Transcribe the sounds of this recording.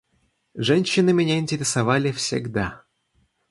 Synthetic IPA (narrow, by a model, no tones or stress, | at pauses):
ʐɛnʲɕːɪnɨmʲenʲainʲtʲeɾʲesavalʲɪfsʲḛɡd̪a